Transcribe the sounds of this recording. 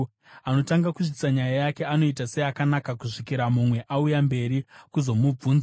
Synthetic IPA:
ano̞taŋɡakuʐiti̥saɲajajake̞ano̞itase̞akanakakuʐikiɾamumwe̞ʔaujambe̞ɾikuzo̞mub͡vuːnza

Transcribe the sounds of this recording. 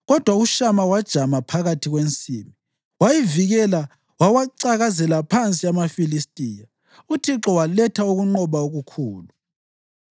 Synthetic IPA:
ɣɔd̥ʱwauʃamawad̥ʒ̥ʱamapʰaɣatʰiɣwent͡sʼimi | wajiviɣɛla | wawaǀaɣazɛlapʰant͡sʼiamafilistʼiːja | utʰiǁɔwalɛtʰauɣuŋ͡ǃɔβaoɣukʰuːlu

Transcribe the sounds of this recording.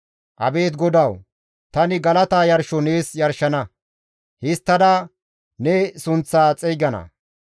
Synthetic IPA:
ʔɐ̰be̞ːt̪ɡɔd̪ɐw | t̪ɐnɪɡɐlɐt̪aːjɐɾʃɔneːsjɐɾʃɐnɐ | hɪst̪ːɐd̪ɐ | nɛsʊnt͡sːaːt͡sʼɛjɡɐnɐ̰

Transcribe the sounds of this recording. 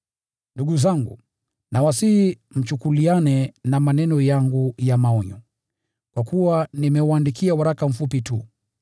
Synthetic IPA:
nduɠuzaŋɡṵ | nawasihi | m̩t͡ʃukulianɛnamanɛnɔjaŋɡujamaɔɲɔ | kwakuwanimɛwandikʰiawaɾakam̩fupitu

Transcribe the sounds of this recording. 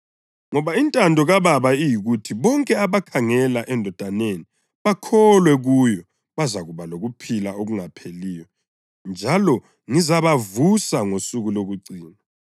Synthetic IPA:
ŋɔβaintʼandʱɔɣaβaβaijiɣutʰiβɔŋkʼɛaβakʰaŋɛlaʔɛndʱɔd̥ʱaneni | βakʰɔlwɛɣujɔ | βazaɣuβaloɣupʰilaoɣuŋapʰeliːjɔ | nd͡ʒʱalɔ | ŋizaβavusaŋosuɣuloɣuǀiːna

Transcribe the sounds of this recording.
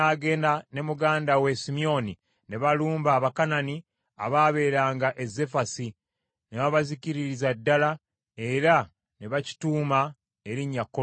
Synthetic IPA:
aːɡe̞ːndane̞muɡaːndawe̞simio̞ni | ne̞βaluːmbaːβakanani | a̰βaːβe̞ːɾaːŋɡaʔe̞ze̞fasi | neβaβaziciɾiɾizadːala | e̞ɾa | ne̞βaci̥tuːma | e̞ɾiɲːakːo

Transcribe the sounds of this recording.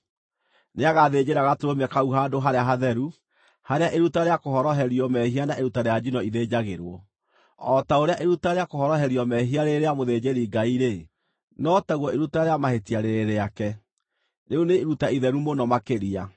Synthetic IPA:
neaɣaðed͡ʑeɾaɣateɾomɛkauɦaːdoɦaɾeaɦaðɛɾu | haɾeaʔeɾutaɾeakoɦɔɾɔɦɛɾiɔmɛhianaʔeɾutaɾead͡ʑinɔiðed͡ʑaɣeɾwɔ̰ː | taoɾeaʔeɾutaɾeakohɔɾɔɦɛɾiɔmɛɦiaɾeɾeamoðed͡ʑeɾiɡaiɾe | nɔtaɣwɔeɾutaɾeamahetiaɾeɾeɾeakɛ | neuneɾutaiðɛɾumonɔmakeɾia

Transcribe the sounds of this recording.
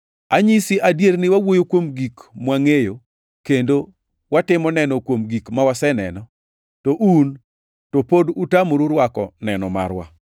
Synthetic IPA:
aɲisiʔadjeɾnɪwawojokwomɡikmwaŋejo | kendo | watɪmɔnɛnɔkwomɡikmawasɛnɛnɔ | toʔun | topodutamoɾuɾwakɔ̰nɛnɔma̰ɾwa̰

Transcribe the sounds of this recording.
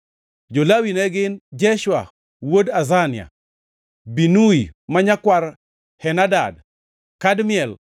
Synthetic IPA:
d͡ʒolawinɛɡɪnd͡ʒɛʃwa | wodazanɪa̰ | binuimaɲakwaɾ | hɛnadad | kadmjɛl

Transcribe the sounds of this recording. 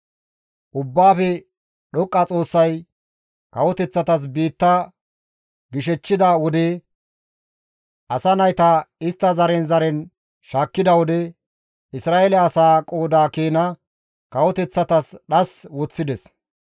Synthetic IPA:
ʔʊbːaːfɛ | ɗɔkʼːɐt͡sʼo̞ːsːɐj | kɐwɔt̪ɛt͡sːɐt̪ɐs̬biːt̪ːɐ | ɡɪʃɛt͡ʃːɪd̪awɔd̪e | ʔɐsɐnɐjt̪ɐɪst̪ːɐzɐɾɛnzɐɾɛn | ʃaːkːɪd̪ɐwɔd̪ɛ | ɪsɾaːʔelɛɐsaːkʼo̞ːd̪aːkeːnɐ | kɐwɔt̪ɛt͡sːɐt̪ɐsɗɐswɔt͡sːɪd̪ɛs

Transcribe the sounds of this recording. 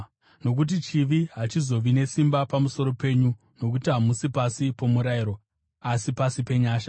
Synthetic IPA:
no̞k̬ut̬it͡ʃiʋiɦat͡ʃizo̞ʋine̞simbapamuso̞ɾo̞pe̞ɲu | no̞k̬utiɦamusipasipo̞muɾaiɾo̞ | asipasipe̞ɲaːʃa

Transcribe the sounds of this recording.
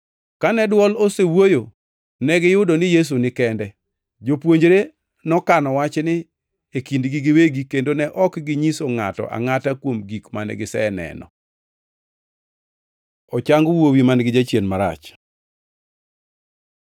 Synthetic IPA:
kanɛdwɔlosewojo | nɛɡɪjʊdonɪjes̬unɪkɛndɛ | d͡ʒopwoɲd͡ʒɾe | nɔkanɔwat͡ʃnɪ | ekindɡɪɡɪweɡikendonɛʔɔkɡɪɲisoŋatɔ̰ʔa̰ŋatakwomɡikmanɛ̰ɡɪsɛnɛ̰nɔ̰ | ɔt͡ʃaŋɡwowimanɡɪd͡ʒat͡ʃjenmaɾa̰t͡ʃ

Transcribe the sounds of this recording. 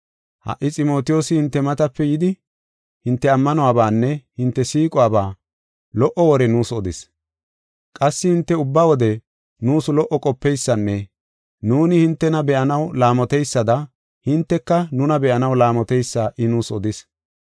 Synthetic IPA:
hɐ̰ʔːɪt͡sʼɪmo̞ːt̪ɪjo̞ːsɪhɪnt̪ːɛmɐt̪ɐpːɛjɪd̪ɪ | hɪnt̪ːɛɐmːɐnɔaːbaːnːɛhɪnt̪ːɛsiːkʼʊaːbaː | lɔʔɔwɔɾɛnuːsɔd̪ɪs | kʼɐsːɪhɪnt̪ːɛʊbːawɔd̪ɛ | nuːsʊlɔʔɔkʼɔpːɛjsːɐnːɛ | nuːnɪhɪnt̪ːɛnɐbɛʔɐnɐwlaːmɔt̪ɛjsːɐd̪ɐ | hɪnt̪ːɛkːɐnʊnɐbɛʔɐnɐwlaːmɔt̪ɛjsːaːʔɪnuːsɔd̪ɪs

